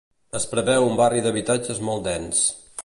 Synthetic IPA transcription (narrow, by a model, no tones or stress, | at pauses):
əspɾəβɛwumbariðəβ̞it̪ad͡ʒəzmɔlˠt̪d̪ɛns